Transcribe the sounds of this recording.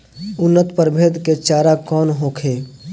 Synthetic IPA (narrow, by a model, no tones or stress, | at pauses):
ʊnːət̪pəɾbʱeːd̪ket͡ʃaːɾakɔːnɦoːkʰeː